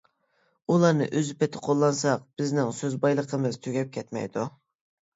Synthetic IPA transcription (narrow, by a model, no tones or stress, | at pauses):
ulˠɑnɨ̰ʔøzypɛt̪ʰɪ̥qʰolˠːɑnsɑq̚b̥ɪznɪŋsøzbɑjlˠəqʰəmɨz̥t̪ʰøɡʲɛp̚kʲʰɛt̪mɛ̰jd̪u